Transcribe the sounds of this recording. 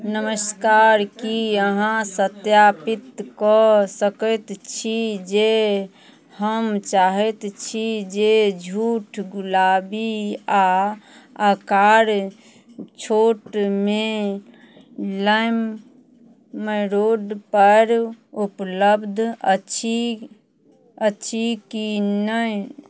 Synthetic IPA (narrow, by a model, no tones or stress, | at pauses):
nəməskaɾkiəɦãsət̪japit̪kɔsəkət̪t͡ʃʰid͡ʒe | həmt͡ʃaɦɛt̪t͡ʃʰid͡ʒed͡ʒʱuʈʰɡulabia | akaɾ | t͡ʃʰoʈme | ləm | əɾoɖpəɾupləbd̪ʱət͡ʃʰi | əːt͡ʃʰikinə